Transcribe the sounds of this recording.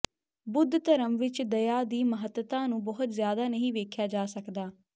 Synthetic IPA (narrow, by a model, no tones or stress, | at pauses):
bʊd̪t̪əɾəmʋɪt͡ʃd̪əjaːd̪iːməɦət̪ət̪ãːnũːbɔɦʊt̪zjaːd̪aːnəɦĩːʋeːkʰjaːd͡ʒaːsəkd̪aː